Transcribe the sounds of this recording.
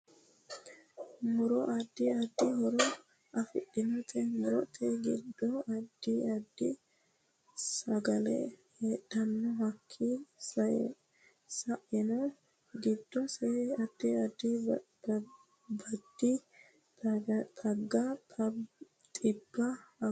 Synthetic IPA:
mʊɾɔʔɐd̪ːɪɐd̪ːɪhɔɾɔ | ʔɐfɪɗːɪnɔt̪ʰɛmʊɾɔt̪ʰɛɡɪd̪ːɔɐd̪ːɪɐd̪ːɪ | sɐɡɐlɛ̰heːɗɐnːɔɦɐkʰːɪsɐjɛ̰ | sɐʔɪnɔ | ɡɪd̪ːɔsɛɐd̪ːɪɐd̪ɪ | bɐd̪ːɪ | t̪ʰɐɡːɐ | t̪ʼɪbːɐ

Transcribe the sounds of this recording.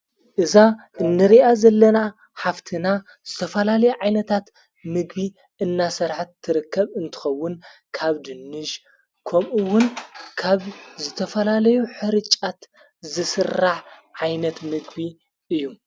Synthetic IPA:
ʔɨza | ʔɨnːɨɾiʔazɐlːɐna | ħaft̪ʰɨna | z̥ɨt̪ʰɐfɐlalɐjuʕajnɐt̪ʰat̪ | mɨɡbi | ʔɨnːasɨɾħat̪ʰːɨɾɨkːɐβɨnt̪ʰɨ̥xɐwːʊnkʰaβd̪ɨnːɨʃ | kʰomʔɨwːʊnkʰaβzɨt̪ʰɐfɐlalɐjuħɨɾɨt͡ʃʼat̪ | zɨsɨrːaħʕajnɐt̪mɨɡbi | ʔɨjːu

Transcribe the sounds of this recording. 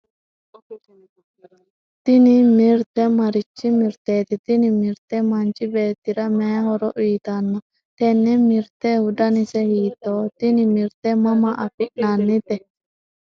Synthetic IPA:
t̪ɪnɪmɪɾt̪ɛmɐɾɪt͡ʃːɪmɪɾt̪eːt̪ɪt̪ɪnɪmɪɾt̪ɛmɐnt͡ʃɪbe̞ːt̪ːɪɾɐmeːhɔɾɔʔʊjt̪ɐnːɐ | t̪ɛnːɛmɪɾt̪ɛhʊd̪ɐnɪsɛhiːt̪ːoːt̪ɪnɪmɪɾt̪ɛmɐmɐʔɐfɪʔnanːɪt̪ɛ

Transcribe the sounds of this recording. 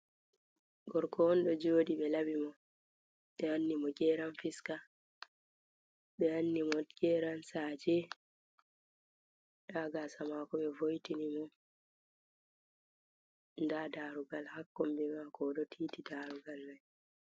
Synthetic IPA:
ɡɔɾkʰɔnɗɔd͡ʒoːɗiɓɛlabimɔ | ɓɛanːimɔɡɛːɾanfiska | ɓɛanːimɔɡ̥ɛɾansad͡ʒɛ | ɗaːɡasamakɔɓɛvojtinimɔ | ndadaɾuɡalhakːɔmbɛmakɔɗɔtʰiːtidaɾuɡalmaj

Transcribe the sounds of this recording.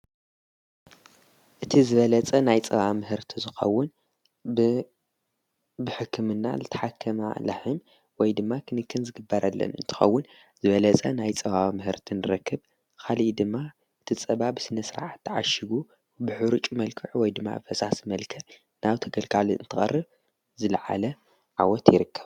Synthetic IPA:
ʔɨt̪ʰizɨβɐlɐt͡sʼɐnajt͡sʼɐβamɨɦɨɾt̪ʰizɨxɐ̰wːʊn | bɨħɨkʰːɨmɨnːa̰lɨt̪ʰɐ̥ħakʰːɐma̰la̰hɨm | wɔjd̪ɨmːakʰɨnɨkːɨnzɨɡɨbːɐɾʔalːɐ̰nɨ̰nt̪ʰɨ̥xɐ̰wːʊn | zɨβɐlɐt͡sʼɐnajt͡sʼɐβaβmɨhɨɾt̪ʰinɨɾɐkʰːɨβ | kʰaliid̪ɨmːa | ʔɨt̪ʰit͡sʼɐβabɨsɨnɐsɨɾa̰ʕat̪ːɨʕa̰ʃiɡu | bɨħuɾut͡ʃʼmɐlkʰɨʕwɔjd̪ɨmːa̰bɨfɐsasmɐlkʰɐ | naβt̪ʰɐɡɐlkʼaliɨ̰nt̪ʰɨxʼɐ̰rːɨβ | zɨlʕa̰lɐ | ʕawɔt̪jɪɾɨkːɐβ

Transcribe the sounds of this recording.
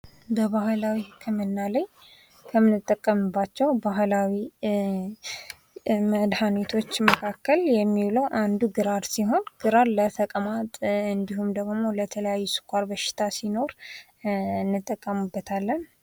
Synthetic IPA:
bəβahlawikʰəmɨnːalaj | kʰəmɨnɨt̪ʼːəkʼːəmɨbːat͡ʃːɛwbaɦlawi | məd̪hanet̪ʰo̞t͡ʃːməkʰakːəljɛmːiwləwʔand̪uɡɨɾaɾsiɦo̞nɡ̥ɨɾaɾlət̪ʰəkʼəmat̪ʼɨnd̪ihumd̪əɡmo̞lət̪ʰələjajːusɨ̥kʷʼaɾbəʃɪ̥t̪ʰasino̞ɾ | nːɨt̪ʼːəkʼːəmɨbːət̪ʰalːən

